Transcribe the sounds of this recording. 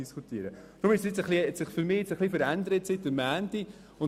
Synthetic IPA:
iskʰut̪iəɾəd̪̥ɾʊmɪʃsjɪt͡səχliɛsɪχfʏɾmɪːɪt͡səχlifəɾænd̪əɾətsɪtːəmæːnti | ʊn

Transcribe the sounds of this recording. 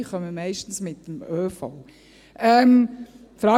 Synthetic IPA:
χœməmɛɪʃtn̩smɪtːəmøːfow | ɛm | fɾɑː

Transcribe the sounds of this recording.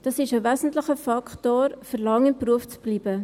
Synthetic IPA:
d̥ɑsɪʃəʋæːzn̩tləχəfɑkχtoːɾfəɾlɑŋɪmpruəft͡sb̥liːbə

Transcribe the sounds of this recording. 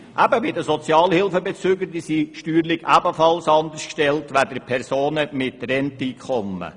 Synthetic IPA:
ʔæbəbɪdəsɔt͡sjɑːlhɪlfəbet͡søːɡəɾdisiʃtyːɾlɪɡæbəfɑlsɑnd̪əskʃtɛltʋæd̥əpʰɛɾsoːnəmɪtrɛntiːkʰχɔmːə̰

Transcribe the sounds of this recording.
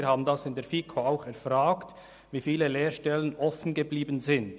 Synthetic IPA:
ɾhaːbn̩dɑsɪndeːɾfikʰoaʊxɛɾfɾaːkt | viːfiːləleːɾʃtɛlənʔɔfn̩ɡəbliːbən̩zɪnd

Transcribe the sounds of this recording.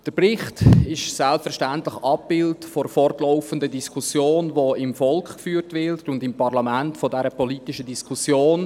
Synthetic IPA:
d̥əɾprɪχtɪʃsɛlpfɛɾʃtæntlɪχɑpbɪltfɔɾfɔrtlɔʊfəndədiskʰusjoːnvoɪmfɔlkχkfyːɾtʋɪɾtʊndɪmpɑʁlɑmæntfɔdɛɾəpɔlitɪʃədiskʰusjoːn

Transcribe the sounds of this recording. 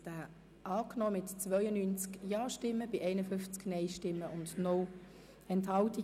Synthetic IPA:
d̥æː | ʔɑːknɔːmɪtt͡svœʏənyːnt͡skjɑːʃtɪmːəb̥ɪʔɛɪnəfʏnft͡sknɛɪʃtɪmːəʊndnɔ | ɛnthɑlti

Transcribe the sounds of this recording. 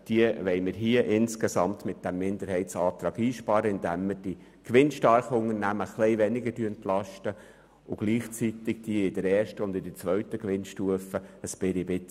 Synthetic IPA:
d̥iəʋɛɪməɾɦiəʔɪnskesɑmt̪mɪt̪̚d̥æmːɪnd̪əɾhɛɪtt͡sɑːt̪ɾɑːɡiːʃpɑːɾəɪnd̪æmːəɾd̥i | kʋɪnʃtɑɾχəʊŋəɾnæməχlɛɪʋɛnɪɡədyəɛnt̪lɑʃtə | ʊɡ̥liːχt͡sit̪ɪɡ̥̚d̥iːɪdəɾɛːɾʃtəʊnd̪ɪdət͡sʋœɥt̪əkʋɪnʃtuəfəəsb̥ɪɾibɪt͡s

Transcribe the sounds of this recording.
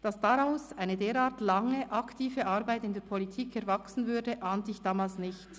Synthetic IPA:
d̥ɑsd̥aʁaʊsaɪnədeːɾaːɐtlɑŋəʔɑktʰiːvəʔɑʁbaɪtɪndeːɐpʰɔlitʰiːkɛɐvaksn̩vʏɐdəʔaːntəɪçd̥aːmaːlsnɪçt

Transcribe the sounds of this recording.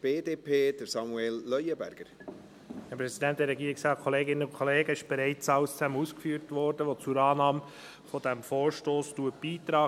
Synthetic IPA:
b̥eːd̪eːpʰeːd̪̥əɾsɑmuelːœjəbæ̰ɾɡ̥əɾ | hɛpɾɛsidɛnt̚d̥ɛɾɛɡiːɪksɑːkʰɔleːɡɪnːəʊnkʰɔleːɡəɪʃb̥ɛɾɛɪt͡sɑʊst͡sæməuːskfyːɾtʋɔrdəʋot͡suɾɑːnɑːm | fɔdæmfoːɹʃtoːstuət̚b̥iːtɾɑː

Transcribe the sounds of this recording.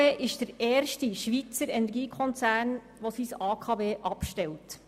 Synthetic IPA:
eːʔɪʃd̥əɾeːrʃtiʃʋit͡səɾɛnɛɾɡiːkʰɔnt͡sæːrn | ʋosisɑːkʰɑveːʔɑpʃtɛlt

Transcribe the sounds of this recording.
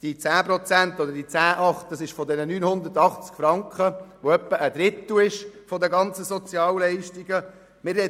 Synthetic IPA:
d̥it͡sæːpɾɔt͡sænt̪ɔd̪əɾdit͡sæːʔɑχt̚d̥ɑsɪʃfɔd̪ɛnənyːnhʊnd̪ətɑχt͡skfɾɑŋkχəʋoœpːəʔəd̥̪ɾɪt̪ːlɪʃfɔd̪əɡɑnt͡səsɔt͡sjɑːllɛɪʃtiɡə | mɪrɛ

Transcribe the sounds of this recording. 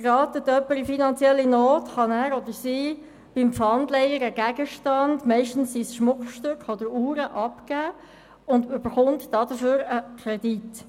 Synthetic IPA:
ɾɑːtətːœpːəɾifinɑnt͡sjɛlːinoːtχɑnæːɾɔdəɾsiː | b̥ɪmpfɑndlɛɪəɾəɡ̥æɡ̥əʃtɑndmɛɪʃtn̩ssisʃmʊkʃtøkɔdəɾuːɾəʔɑpkæː | ʊndʏb̥əɾχʊntd̥ɑdəføːɾəkʰɾɛdit

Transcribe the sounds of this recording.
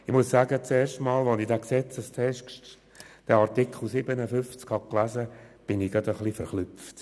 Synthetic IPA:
ɪχmʊssæːɡət͡seːɾʃtmɑːlʋɔnidæːksɛt͡səstʰɛʃkʃt | d̥ɛaɾtikχl̩ˠsɪbənəfʏft͡skhɑklæzəb̥ɪnɪɡɑd̪əχlifəɾχnʏft

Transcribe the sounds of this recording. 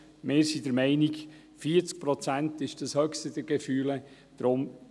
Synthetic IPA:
meːɾsid̥əɾmɛɪniɡ | fiːəɾt͡sk̚pɾɔt͡sæntɪʃd̥əshœkstəd̥əɾɡ̥efyːlə | d̥ɾʊm

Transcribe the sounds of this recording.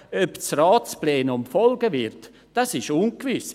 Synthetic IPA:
øpt͡sraːt͡splɛːnʊmfɔlɡəʋɪɾt | d̥asɪʃunkʋɪs

